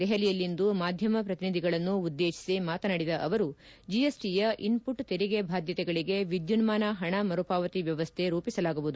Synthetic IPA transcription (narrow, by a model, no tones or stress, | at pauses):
d̪ɛɦelijɐlːind̪umaːd̪ʱjɐmɐpɾɐt̪inid̪ʱiɡɐɭɐnːuːd̪ːe̞ːʃi̥simaːt̪ɐnaɽid̪ɐʔɐʋɐɾu | d͡ʒijesʈijɐʔinpuʈt̪eɾiɡebʱaːd̪jɐt̪ɛɡɐɭiɡe̞ʋid̪junmaːnɐɦɐɳɐmɐɾupaːʋɐt̪iʋjɐʋɐst̪ʰe̞ɾuːpisɐlaːɡuʋud̪u